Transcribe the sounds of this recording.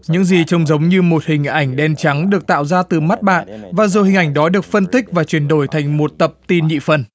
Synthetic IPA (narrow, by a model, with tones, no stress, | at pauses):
ɲɨ̰˧˥ŋzi˨˩t͡ɕə˧wŋ͡mzə˨˦wŋ͡mɲɨ˧mo˨˩t̚hï˨˩ŋ̟ʔa˧˩jŋ̟ɗɛ˧nt͡ɕa˨˦ŋɗɨ˨˩ək̚t̪a̰ː˧˨wzaː˧t̪ɨ˨˩ma˦˥t̚ɓa̰ː˧˨nvaː˨˩zu˨˩hï˨˩ŋ̟ʔa˧˩jŋ̟ɗɔ˨˦ɗɨ˨˩ək̚fə˧nt̪ï˦˥k̟̚vaː˨˩t͡ɕwi˧˩ənɗo˧˩jt̪ʰa˨˩jŋ̟mo˨˩t̚t̪ə˨˩p̚t̪i˧nɲḭ˧˨fə˨˩n